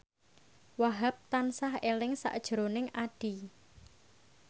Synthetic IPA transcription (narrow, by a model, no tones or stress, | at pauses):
waɦap̚t̪ansaɦelɪŋsa̰ʔd̥ʒ̥ɾonɪŋaɖ̥i